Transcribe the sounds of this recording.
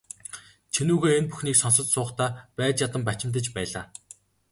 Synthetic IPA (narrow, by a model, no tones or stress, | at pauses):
t͡ɕʰenuːɣeːenpuxniːksɔnsə̆t͡ɕsʊːχt̪ʰaːpæːt͡ɕjat̪ə̆mpat͡ɕɪ̆mt̪ə̆t͡ɕpæːɮaː